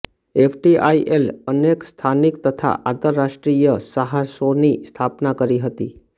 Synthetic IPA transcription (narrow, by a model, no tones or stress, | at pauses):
efʰʈiʔaiʔelənekst̪ʰanikt̪ət̪ʰa̰ʔant̪əɾːaʃʈɾijəsəɦasonist̪ʰapnakəɾiɦət̪i